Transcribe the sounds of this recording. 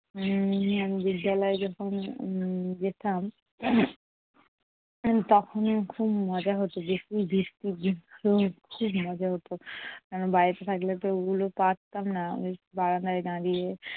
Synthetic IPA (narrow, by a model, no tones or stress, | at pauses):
amibid̪ːalɔed͡ʑɔkʰon | d͡ʒet̪am | t̪ɔkʰonkʰubmɔd͡ʑaɦot̪obeʃibʱikt̪id̪inɾokʰubmɔd͡ʑaɦot̪okanobajet̪et̪ʰaklet̪oeɡulopat̪t̪ːamna̰mebaɾand̪aeɡãɾije